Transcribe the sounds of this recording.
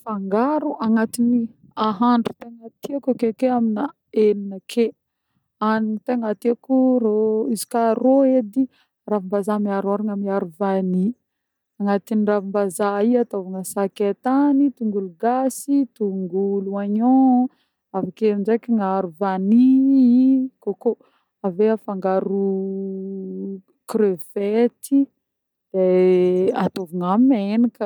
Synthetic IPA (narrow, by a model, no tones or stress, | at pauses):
faŋɡaɾuʔaŋat̪ini | aɦaɳɖ͡ʐu̥t̪eŋat̪iakakekeamina | elinəkʰe | aninit̪eŋat̪iakuɾoizi̥karoed̪i | ravimbazamiaɾaɾaŋəmiaɾuvani | aŋat̪iniravimbazaiat̪ovaŋasaket̪anit̪uŋɡuluɡasit̪uŋɡuluaɲo | afakend͡ʒekiŋaɾuvani | koko | aveafaŋɡaɾu | kɾøv̥et̪i | d̪̥e | at̪ovaŋamenakə